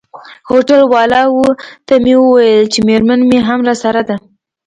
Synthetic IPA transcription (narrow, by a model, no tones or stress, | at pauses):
hoʈalwɑlɑwət̪amewəwajəlt͡ʃemeɾmanmeɦamɾɑsaɾad̪a